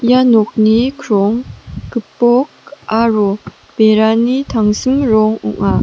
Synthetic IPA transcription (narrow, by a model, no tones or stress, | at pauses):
janɔk̚nikʰɾɔŋkɯpːɔk̚ʔaɾɔ | peɾanit̪ʰaŋsɯŋɾɔŋṵŋa